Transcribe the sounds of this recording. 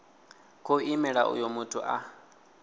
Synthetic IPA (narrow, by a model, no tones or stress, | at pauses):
kʰʼoimɛɺa̰ʔṵjomutʰuʔa